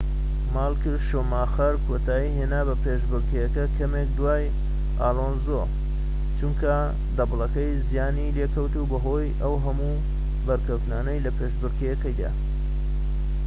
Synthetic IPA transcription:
maːlˠkɨɾʃomaxɐɾkʰot̪aːjiɦenaːbɐpeʃbɨɾkʰejɐkɐkʰɐmek̚d̪uwaːj | ʔa̰ːloːnzo | t͡ʃumkɐ | d̪ɐblˠɐkɐjzijaːnilekɐwt̪ubɐɦo̞ːjʔɐwɦɐmu | bɐɾkɐwt̪naːnɐjlɐpʰeʃbɨɾkejɐkɐjd̪a̰

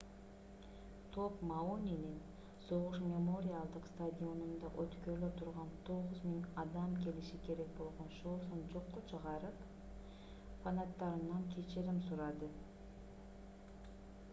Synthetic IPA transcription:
t̪ʰo̞pmaonʲinin | so̞ʁuʃmʲe̞mo̞ɾʲɪjalˠd̪ɯqst̪ad̪ʲio̞nund̪ɑʔøt̪køɾløt̪ʰuɾʁɑnt̪ʰo̞ʁʊzmʲiŋɑd̪ɑmkʲe̞liʃikʰe̞ɾe̞k̚bo̞lˠʁo̞nʃosond͡ʒo̞qːot͡ʃʰɯʁɑɾɯp | fanat̪ːɑɾɯnɑŋkʲʰet͡ʃeɾimsuɾɑd̪ɯ

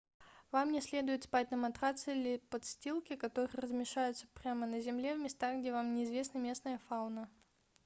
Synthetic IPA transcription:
vamnʲɪsʲlʲe̞d̪ʊjɪt̪spat̚ʲnəmɐt̪ɾat̪sɨlʲɪpɐt̪sʲtʲilˠkʲɪkɐt̪o̞ɾɨjərəzmʲɪʂajʊt̪sə̥pɾʲamənəzʲɪmlʲe̞vmʲɪst̪aɣɡdʲevamnʲɪːzvʲe̞snəmʲe̞snəjəfaʊnə

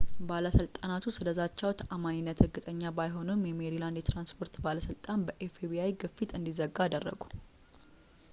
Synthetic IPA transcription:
baləsɨlt̪ʼanat̪ʰusɨləzat͡ʃːawt̪ʰʔamaninːət̪hɨɾɡɨt̪ʼəɲːabajɦo̞nɨmjɛmeɾiland̪jɛt̪ɾanspʰo̞ɾt̪baləsɨlt̪ʼanbəʔefebiajɡɨfːit̪ɨnd̪izəɡːaːd̪ərːə̰ɡu

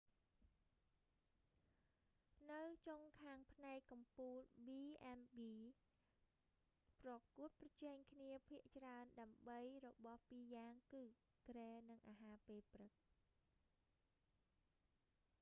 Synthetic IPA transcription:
nɨwt͡ɕoŋkʰaːŋpʰnaɛkkːɑmpuːlɓiːʔɛnɓiː | prɑkuət̪̚prɑt͡ɕɛɛŋkʰniəpʰiəʔt͡ɕraənɗaəmɓəjrɔɓɑhpiːjaːŋkɨː | krɛːnɨŋʔaːɦaːpeːprɨk̚

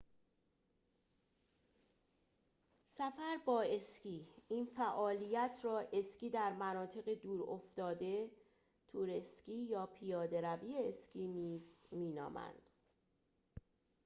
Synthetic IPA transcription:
sæfæɾbɒːe̞skiːiːnfæʔɒːlijæt̪ʰɾɒːʔe̞sciːd̪æɾmænɒːt̪ʰe̞ɣed̪uːɾoft̪ɒːd̪e̞ | t̪ʰuːɾesciːjɒːpʰijɒːd̪e̞ɾæviːeescʰiːniːzmiːnɒ̰ːmæ̰nd̪̥

